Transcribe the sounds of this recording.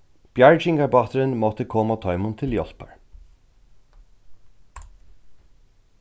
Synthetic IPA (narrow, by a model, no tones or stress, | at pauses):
b̥jæɹd͡ʒɪŋɡɑbɑːt̪ʰəɾənmɔt̪əkʰɔmɑt̪ʰœʏmʊnt̪ʰɪljɔlpə̰ɹ